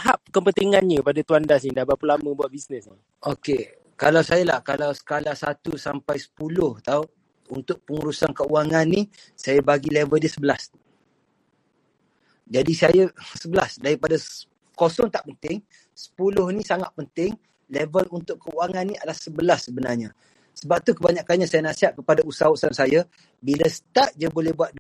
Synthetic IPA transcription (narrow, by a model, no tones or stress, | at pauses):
aɦap̚kəmpət̪iŋãnɲəpadat̪uandas̬nidabapəlamə̃buat̪̚bisnəsni | ʔoke | kalawsajəla̰hkalawsə̥kalasat̪usampajsə̥pulʊht̪au | unt̪ʊʔ̚pəŋuɾusankəuaŋanːi | sajabaɡilevəldiəsəbəlas | d͡ʒadisajasəbəla̰sdaɾipada | kosɔŋt̪aʔpənt̪ɪŋ | sə̥pulʊhnisaŋat̪̚pənt̪ɪŋ | levəlunt̪ʊʔkəuaŋanːiadahsəbəlasːəbənarɲa | səbap̚t̪ukəbaɲakanɲasajanaʔsiɦaʔ̪̚kəpadausaosansaja | bilasə̥t̪aʔ̚d͡ʒabolɛhbuwat̪̚d